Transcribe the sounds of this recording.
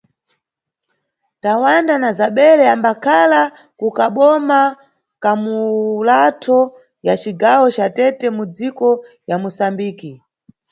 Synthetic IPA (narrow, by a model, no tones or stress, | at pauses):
tawandanazaɓɛɾɛambakʰala | kukaɓɔma | kamulatʰɔ | jat͡ʃiɡawɔt͡ʃatɛtɛmud͡zikɔ | jamusambiːki